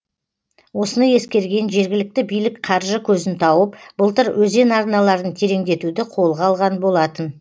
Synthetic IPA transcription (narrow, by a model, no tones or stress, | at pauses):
wo̞sənəje̞skʲe̞ɾɡʲe̞nʒe̞ɾɡʲɪlɪk̚t̪ɪbijlɪkqʰɑɾʒəkʲʰɵzɪnt̪ʰɑwəpb̥ʊəlˠt̪əɾwʔɵze̞nɑɾnɑlˠɑɾənt̪ʰe̞ɾe̞ŋd̪e̞t̪ud̪ɪqʰo̞lˠʁɑlˠʁɑnbo̞lˠɑt̪ən